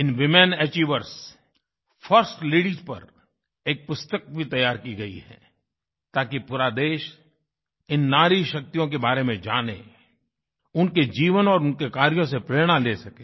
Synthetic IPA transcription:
ɪnʋɪmɛnɛːt͡ʃiːʋəɾs | fʰəɾsʈleːɽɪzpɐ̰ɾ | eːk̚pʊst̪ək̚bʱit̪ɐjːaːɾkiɡɐḭɦɛ̰ː | t̪aːkipʊɾaːd̪eːʃ | ɪnːaːɾiʃɐk̚t̪ijõk̬ebaːɾemẽd͡ʒaːnḛ | ʊnked͡ʒiːʋənɔːɾʊnkekaːɾjõs̬epɾeːɽ̃aleːsɐkeː

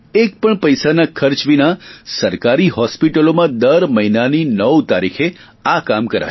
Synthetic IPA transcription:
ek̚pəɳpəjsanakʰəɾt͡ʃʋinasəɾkaɾiɦɔspiʈəlomãd̪əɾməɦinaninəwt̪aɾikʰe | akamkəɾa̰

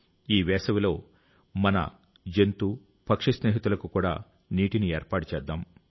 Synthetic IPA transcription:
iːʋɛːsɐʋilo̞ː | mɐnɐ̰ | d͡ʒe̞nt̪u | pɐkʂisniːɦit̪ulɐkukuːɽa̰ː | niːʈinieːɾpaːʈut͡ʃɛːd̪ːaːm

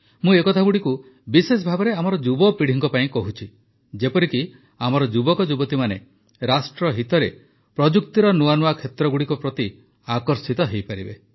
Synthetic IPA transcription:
mũekɔt̪ʰaɡuɽiku | bises̬ɔbʱabɔɾeamɔɾɔd͡ʒubɔpiɽ̤ʱiŋkɔpaĩkɔɦut͡ʃʰi | d͡ʒepɔɾiki | amɔɾɔd͡ʒubɔkɔd͡ʒubɔt̪imane | ɾasʈɾɔɦit̪ɔɾe | pɾɔd͡ʒukt̪iɾɔnuanuakʰet̪ɾɔɡuɽikupɾɔt̪i | akɔɾsit̪ɔɦejpaɾibḛ

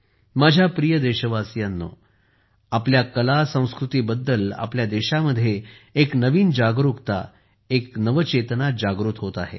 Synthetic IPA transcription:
mad͡ʑʱjapɾijəd̪eɕəʋasjanːo̰ | apljakəlasə̃w̃skɾut̪iːbəd̪ːəla̰pljad̪eɕaməd̪ʱːjeeknəʋiːnd͡ʑaɡɾukt̪a̰ | eknəʋət͡ɕet̪nad͡ʑaɡɾuːt̪ɦot̪aɦḛ

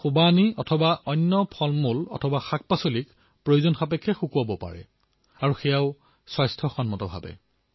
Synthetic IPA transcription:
xubaniɔtʰɔbaʔɔnːɔpʰɔlmulɔ̰tʰɔbaxak̚pasolik | pɹojuzɔnxapɛkʰːɛxukuabɔpa̰ɹɛ̰ | aɹuxɛjaʊ | swajstʰɔxɔnmɔtɔbʱabɛ̰

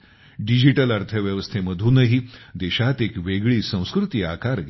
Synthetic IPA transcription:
ɖid͡ʑiʈəlaɾt̪ʰəʋjəʋəst̪ʰeməd̪ʱuːnəɦid̪eɕat̪ekʋeɡɭiːsə̃w̃skɾut̪iakaɾɡ

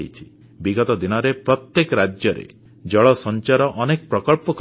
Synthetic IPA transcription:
it͡ʃʰi̥ | biɡɔt̪ɔd̪inɔɾepɾɔt̪jekɔɾad͡ʒjɔɾḛ | d͡ʒɔɭɔsɔnt͡ʃaɾɔʔɔnekɔpɾɔkɔɭpɔk

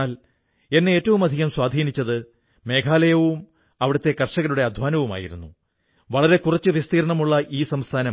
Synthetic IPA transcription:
aːl | e̞nːeeːtːɐʋumɐd̪ʱiɣɐmswaːd̪ʱiːnit͡ɕːɐðɨ | me̞ːkʰaːlɐjɐʋum | ɐʋiɽɐt̪ːe̞kɐrʂɐɣɐluɽe̞ɐd̪ʱʋaːnɐʋuma̰ːjiɾunːu | ʋɐɭɐɾe̞kurɐt͡ɕːɨʋjest̪iːɾɐɳɐmuɭːɐʔiːsɐmst̪ʰaːnɐ

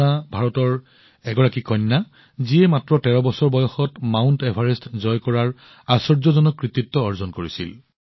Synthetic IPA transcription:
abʱaɹɔtɔɹ | ɛɡɔɹakikʰɔnːa | ziɛmatɹɔtɛɹɔbɔsɔɹbɔjɔxɔtmawntɛbʱaɹɛstzɔjkɔɹaɹ | asɔɹzɔzɔnɔkːɹit̪itːɔːɹzɔnkoɹisḭl

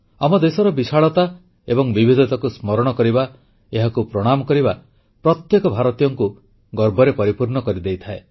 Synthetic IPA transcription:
amɔd̪esɔɾɔbisʰaɭɔt̪a | ebɔŋbibʱid̪ʱɔt̪ɔkusmɔɾɔɽ̃ɔkɔɾiba | eɦakupɾɔɽ̃amɔkɔɾiba | pɾɔt̪jekɔbʱaɾɔt̪ijɔŋku | ɡɔɾbɔɾepɔɾipuɾɳɔkɔɾid̪ejt̪ʰae

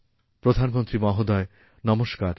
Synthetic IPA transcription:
pɾod̪ʱanmont̪ɾimɔɦod̪ɔe | nɔmoʃkaɾ

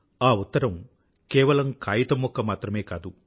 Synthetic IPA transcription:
aːut̪ːɐɾɐm | kɛːʋɐlɐmkaːjit̪ɐmɔkːɐmaːt̪ɾɐmeːkaːd̪u

